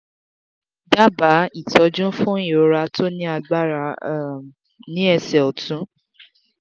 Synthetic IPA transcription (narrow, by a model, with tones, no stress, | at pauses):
da˦ba˨˦i˦˨tɔ˧d͡ʒũ˦fũ˦i˦˨o˨˧ɾa˧tʰo˦nĩ˦a˧ɡ͡ba˦ɾa˨˦˨ | nĩ˨˦ɛ˧sɛ˨ɔ˨tũ˨˦